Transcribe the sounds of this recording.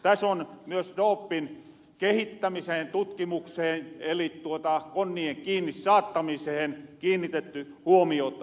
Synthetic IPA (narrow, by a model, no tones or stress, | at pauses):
t̪æsonmyøsdoːpːin | kehit̪ːæmiseːnt̪ut̪kimukseːnelitt̪uot̪ɑkonːieŋkiːnːissɑːt̪ːɑmisehenkiːnːit̪et̪ːy | huomiot̪ː